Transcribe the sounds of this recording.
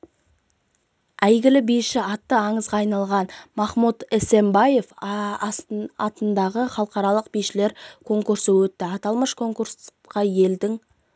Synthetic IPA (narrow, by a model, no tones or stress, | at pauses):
æjɡʲɪlɪbijʃɪɑt̪ːəɑɴəzʁɑːɑjnɑlˠʁɑnmɑχmut̪ese̞mbɑje̞f | ɑt̪ənd̪ɑʁəχɑlˠəqɑɾɑlˠəqbijʃɪle̞ɾkʰo̞ŋkuɾsəwɵt̪ːɪɑt̪ɑlˠməʃkʰo̞ŋkuɾs | qɑje̞ld̪ɪŋ